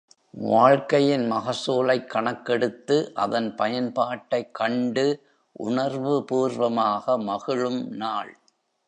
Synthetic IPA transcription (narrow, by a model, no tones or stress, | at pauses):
ʋaːɻkɐjɪnmɐɣɐsoːlɐɪkːɐɳɐkːɛɽɯt̪ːɯʔɐ̰ðɐnpɐjɐnpaːʈːɐɪkʰːɐɳɖɯ | ʔʊ̰ɳɐɾʋɯpuːɾʋɐmaːɣɐmɐɣɪɻɯmnaːɭ